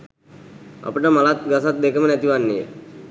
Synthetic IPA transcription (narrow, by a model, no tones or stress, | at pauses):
a̰pəʈəmalat̪̚ɡasat̪̚d̪ekəmənæt̪iʋanːijə̰